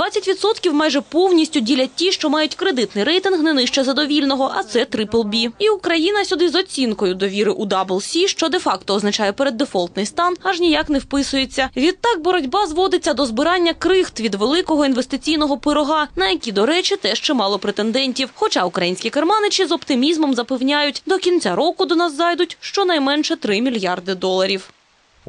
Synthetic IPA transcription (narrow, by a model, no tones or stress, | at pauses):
d̪ʋat͡sʲːɐtʲʋʲid̪sɔt̪kʲiwmɑjʐɛpɔwnʲisʲtʲʊdʲilʲɐt̚ʲtʲːiʃt͡ʃɔmɑjʊtʲkɾed̪ɪt̪nɪjɾɛjt̪ɪnɦnɛnɪʃt͡ʃɛzɐd̪ɔʋʲilʲnɔɦɔʔɐt̪sɛt̪ɾɪplˠbʲiiukɾɐjinɐsʲʊd̪ɪzɔt͡sʲinkɔjʊd̪ɔʋʲiɾɪʔud̪ɑblˠsʲiʃt͡ʃɔd̪efɑkt̪ɔːznɐt͡ʃajɛpeɾed̪ːefɔlˠt̪nɪjst̪ɑnɐʒnʲijaknɛwpɪsʊjet͡sʲːɐʋʲid̪̚t̪ɑk̚bɔɾɔdʲbɑzʋɔd̪ɪt͡sʲːɐd̪ɔzbɪɾɑnʲːɐkɾɪxt̪ʋʲid̪ʋelˠɪkɔɦɔinʋest̪ɪt͡sʲijnɔɦɔpɪɾɔɦɑnɐjɐkʲid̪ɔɾɛt͡ʃɪt̪ɛʃt͡ʃɛmɑlˠɔpɾet̪end̪ɛnʲtʲiwxɔt͡ʃɑʊkɾɐjinʲsʲkʲikermɑnɪt͡ʃʲizɔpt̪ɪmʲizmɔmzɐpewnʲajʊtʲd̪ɔkʲinʲt͡sʲaɾɔkʊd̪ɔnɑzːɑjd̪ʊtʲʃt͡ʃɔnɐjmɛnʃɛt̪ɾɪmʲilʲjɑrd̪ɪd̪ɔlˠɐɾʲiw